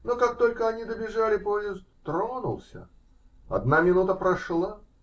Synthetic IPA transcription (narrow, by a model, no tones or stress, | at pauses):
nokak̚t̪o̞lʲkəɐnʲid̪əbʲɪʐalʲɪpojɪzst̪t̪ɾonʊ̰lˠsʲə̰ | ɐ̰d̪̚namʲɪnut̪əpɾɐʂlˠa